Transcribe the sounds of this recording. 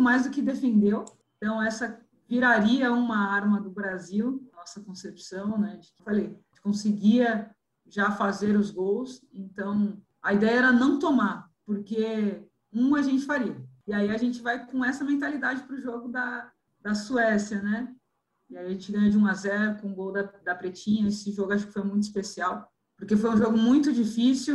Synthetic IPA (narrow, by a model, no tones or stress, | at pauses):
majzd̪ʊkɪd̪efẽnd̪ewẽt̪ɐ̃w̃ɛsɐ | viɾaɾiɐũmɐaɾmɐd̪ʊbɾaziwɐnɔsɐkõsepsɐ̃w̃nɛd͡ʒɪ̥kɪfalej | t͡ʃɪ̥kõsɪɡiɐ | ʒafazeɾʊzɡowsẽnt̪ɐ̃w̃ | ɐid̪ɛjɐɛɾɐnɐ̃w̃t̪omaɾpoɾke | ũɐʒẽnt͡ʃɪfaɾiɐɪaiɐʒẽnt͡ʃɪvajkõɛsɐmẽnt̪alid̪ad͡ʒɪpɾʊʒoɡʊd̪ɐ | d̪ɐsuɛsiɐnɛ | ɪaiɐʒẽnt͡ʃɪɡɐ̃ɲ̃ɐd͡ʒɪũazɛɾʊkõʊ̃ɡowd̪ɐd̪ɐpɾet͡ʃĩɲɐesɪʒoɡʊaʃʊ̥kɪ̥fojmũj̃t̪ʊi̥spesiaw | poɾkefojũʒoɡʊmũj̃t̪ʊd͡ʒifisuw